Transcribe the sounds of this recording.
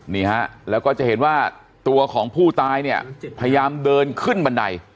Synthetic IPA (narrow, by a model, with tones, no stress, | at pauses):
niː˥˩ha˦˥ʔlɛː˦˥wkɔː˥˩t͡ɕa˨ʔhe˩˦nwaː˥˩ | t̪u˧ɐkʰɔː˩˦ŋpʰuː˥˩t̪aː˧jni˥˩ɐpʰa˧ja˧jaː˧mdɤː˧nkʰɯ˥˩nba˧nda̰˧j